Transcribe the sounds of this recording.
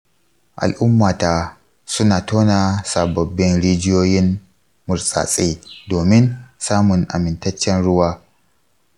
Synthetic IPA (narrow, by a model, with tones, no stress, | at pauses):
ʔa̰˨lʔʊ˦mːaː˨taː˨ | sʊ˦naː˨toː˦naː˨sa˨bɐ˨bːɪ˦nɽiː˦d͡ʒɪ˦joː˦jɪ˦m | mʊ˨ɾsʼa̰ː˨sʼeː˦doː˨mɪ˦nsaː˦mʊ˨ŋʔa̰˨mɪ˨ntɐ˦t͡ʃːɛ˦nɽʊ˦waː˦